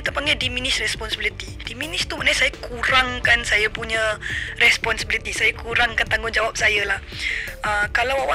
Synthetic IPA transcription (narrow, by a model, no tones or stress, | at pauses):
it̪apaŋɡadiminɪsrɛspɔnsəbilit̪i | diminɪʃt̪uməʔnaɲasajakʰuɾaŋkansajapuɲãrɛspɔnsəbilit̪isajakuɾaŋkant̪aŋɡʊŋd͡ʒawap̚sajalahəkalawawa